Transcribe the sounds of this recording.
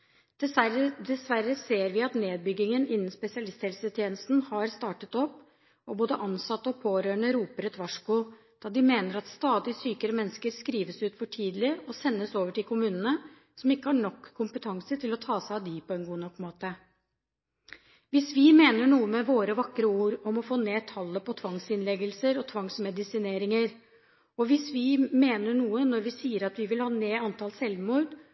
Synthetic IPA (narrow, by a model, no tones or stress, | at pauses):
d̪̥ɛd̪ɛsʋæɾəseːɾʋɪɑt̪neːd̪̚bʏɡːɪŋənʔɪnːn̩spɛsɪɑlɪst̪hɛlsət̪ʰjeːnəst̪n̩hɑɾst̪ɑːʈət̪ɔpː | ɔboːd̪əʔɑnsɑt̪ːəɔpʰoːɾøːɳəɾuːpəɾɛt̪ʋɑʂkʊ | d̪̥ɑːd̪ɪmeːnəɾɑt̪st̪ɑːd̪ɪsyːkəɾəmɛnːskəɾskɾiːʋəsʉːt̪fɔʈʰiːd̪lɪɔsɛnːəsoːʋəʈɪlkʰʊmʉːnənə | sɔmɪkːəhɑɳɔkʰːʊmpət̪ʰɑŋsət̪ʰɪlɔt̪ʰɑːsæɪɑʋd̪iːpʰɔɛnɡuːnɔkːmoːt̪ə | ʋɪsʋɪmeːnəɳuːəmɛʋoːɾəʋɑkːɾəuːɾɔmɔfoːneːt̪ʰɑlːəpɔt̪ʰʋɑŋsɪnlɛɡəlsəɾɔt̪ʰʋɑŋsmɛd̪ɪsɪneːɾɪŋəɾ | ɔʋɪsʋɪmeːnəɳuːənɔɾʋɪsiːəɾɑt̪ʋɪʋɪlhɑːneːɑnt̪ɑlsɛlʋmuːd̪